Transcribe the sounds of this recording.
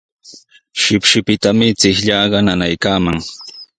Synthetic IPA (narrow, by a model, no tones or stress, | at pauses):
ʃɪpʃɪpɪt̪amɪt͡sɪhʎɑɢɑnanajkaːmaŋ